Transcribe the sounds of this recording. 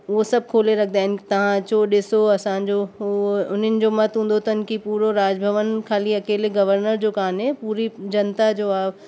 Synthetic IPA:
osɐb̚kʰoːleɾɐk̚ʰd̪aːɦɪ̃nɪt̪ɐʋ̤ãt͡ɕoːɗɪsoɐsãɲd͡ʑo | ʊn̤ənɪ̆d͡ʑomɐt̪ɦũːnd̪ot̪ɐnkipuːɾoɾaːd͡ʑbʱəʋənkʰaːliɐkeːleɡɐʋəɾnəɾd͡ʑoːkaːnɦɛpuːɾid͡ʑɐnt̪ad͡ʑoaːb

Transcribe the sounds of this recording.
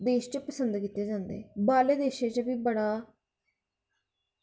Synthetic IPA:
d̪eːʃt͡ʃəpəsənd̪kit̪ːeːd͡ʒãːnd̪ḛbaːleːd̪eːʃeːt͡ʃbiːbəɽaː

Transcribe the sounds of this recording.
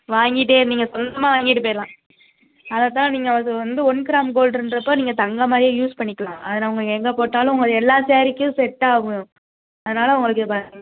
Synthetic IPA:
ʋaːŋɡɪʈ̬ːeːniːŋɡɐsɔnd̪ɐmaːʋaːŋɡɪʈːɯpeːɐlãː | ɐðɐt̪ãːniːŋɡɐʋɐʋɐnd̪ɯɔnːkɪɾaːmɡoːlɖɾɯndɾɐpːoːniːŋɡɐt̪ɐŋɡɐmaːd̪ɾijɐ̃juːspɐɳːɪkːɐlãːʔɐðɐnaːʊŋɡɐɭɯkɛŋɡɐpoːʈːaːlʊ̃ʊŋɡɐɭɛlːaːseːɾɪkːɯ̃sɛʈːaːʊ̃ | ɐðɐnaːlɐʊŋɡɐɭɯkːɯbaː

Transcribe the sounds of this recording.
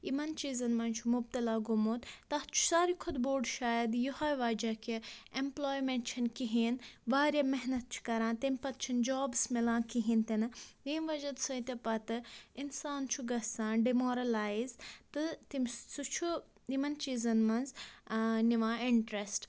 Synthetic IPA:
imɐnt͡ʃiːzɐnmɐnt͡ʃʰumʊb̚t̪ɐlaːɡumoːt̪t̪ɐht͡ʃʰu̥saːɾikʰod̪boːɖʃaːjɐd̪juhɐːjʋaːd͡ʒɐkiemploːjmeɳʈt͡ʃʰɐnkiɦiːnʋaːɾjamɐɦnɐt̪̚t͡ʃʰu̥kɐɾãːnt̪imʲpɐt̪t͡ʃʰind͡ʒaːbsmilãːnkiɦĩːnt̪inɨjeːmʋɐd͡ʒɐd̪sɐjt̪epɐt̪ɨinsaːnt͡ʃʰuɡɐsãːnɖimoːɾɐlaːizt̪ɨt̪imʲsut͡ʃʰu | imɐnt͡ʃiːzɐnmɐnz | niʋãːɪɳʈɾesʈ

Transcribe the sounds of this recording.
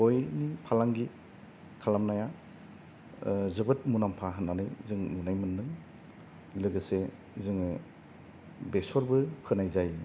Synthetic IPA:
ojnipʰalaŋɡi | kʰalamnaja | zɯbɯt̚munampʰaɦɯnːanɯjzɯŋnunajmɯnːɯŋ | lɯɡɯse | zɯŋ | besɔɾbɯpʰɯnajzaj

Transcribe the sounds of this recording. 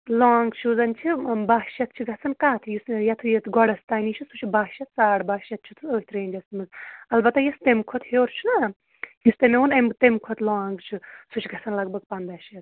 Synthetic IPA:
laːŋɡt͡ʃʰuzɐnt͡ʃʰibaːʃjɐt̪̚t͡ʃʰiɡʱɐt͡sʰɐnkaːt̪ʰjisjɐt̪ʰujɐt̪ʰɡɔɽɐst̪anit͡ʃʰisut͡ʃʰibaːʃɐt̪saːɽbaːʃjɐt̪̚t͡ʃʰit̪ʰuoːhʲit̪ɾeːnʲd͡ʒɐsmɨzɐlbɐt̪ːajɐst̪emkʰɔt̪heːɾt͡ʃʰuna | just̪emeunɐmt̪emkʰot̪ʰlaːŋɡt͡ʃʰisut͡ʃʰɡʱɐt͡sɐnlɐɡ̚bɐɡ̚pɐnd̪ɐːʃjɐt̪

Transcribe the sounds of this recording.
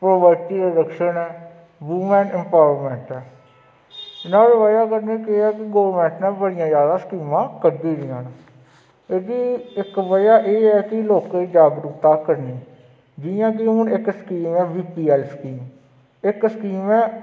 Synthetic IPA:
pɾoːʋəɾʈiːɾaːɾəkʃənɛː | ʋuːmɛ̃ːnɪ̃mpaːʋəɾmɛ̃ːɳʈɛː | nãːʋeːʋajaːkəɾnẽːkɪɛːkɪɡoːʋəɾmɛ̃ːɳʈnɛ̃ːbəɽijãːzjaːd̪aːskiːmãːkəɾd̪iːɾiãːn | eːd̪iɪkʋəjaːʔeːɛːkɪloːked͡ʒaːɡɾupt̪aːkəɾniː | d͡ʒɪjãːk̬ɪɦʊnɪkskiːmɛːʋiːpiːɛːlskiːm | ɪkskiːmɛː

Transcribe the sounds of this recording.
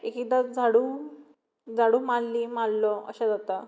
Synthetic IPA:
ekikd̪ad͡zʱaɽuː | d͡zaɽumallimallɔə̰ɕad͡zat̪a

